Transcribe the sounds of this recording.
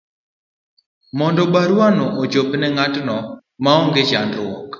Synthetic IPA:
mɔndɔbaɾwanɔʔot͡ʃopnɛŋatnɔ | maɔŋɡet͡ʃandwɔk

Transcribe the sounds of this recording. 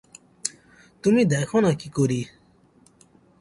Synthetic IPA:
t̪umid̪ɛkʰɔnakikoɾi

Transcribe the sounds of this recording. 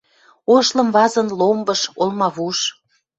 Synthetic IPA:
oʃlə̆mβɑzənlombəʃolmɑβuʃ

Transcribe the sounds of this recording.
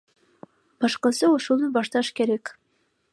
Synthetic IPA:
b̥ɑʃqɑsɯuʃulˠnubɑʃt̪ɑʃkeɾek

